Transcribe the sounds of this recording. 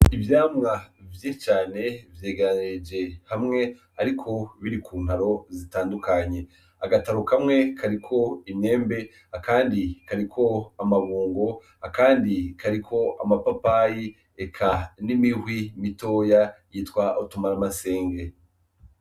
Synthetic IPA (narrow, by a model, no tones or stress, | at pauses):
ivjaːmŋavjet͡ʃaːne̞vjeːɡeɾaned͡ʒe̞hamŋe̞ | aɾikʰo̞βiɾikʰuːn̥haɾo̞zitaːndukaɲe̞ | aɡataɾukʰamŋe̞kʰaɾikʰo̞ine̞ːmbe̞ | akaːndikaɾikʰo̞amaβuːŋɡo̞ | akaːndikaɾikʰo̞a̰mapapaji | ekʰanimihwimito̞ːjajitwaʔutumaɾamase̞ːŋɡe̞